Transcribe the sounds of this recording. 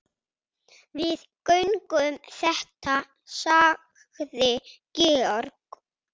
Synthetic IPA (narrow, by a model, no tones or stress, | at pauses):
vɪð | kœɥŋkʏmθɛht̪ʰa | sa | ɣðɪcɪɔɾk